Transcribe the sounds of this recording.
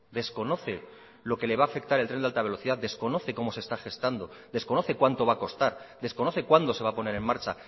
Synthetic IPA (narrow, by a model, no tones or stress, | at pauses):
d̪e̞skono̞θe̞ | lo̞ke̞le̞βaːfe̞kt̪aɾelt̪ɾe̞nalt̪aβe̞lo̞θiðad̪e̞sko̞no̞θe̞ko̞mo̞sest̪axe̞st̪and̪o̞d̪e̞sko̞no̞θe̞kwant̪o̞βako̞st̪aɾd̪e̞sko̞no̞θe̞kwand̪o̞se̞βapo̞ne̞ɾe̞mmaɾt͡ʃa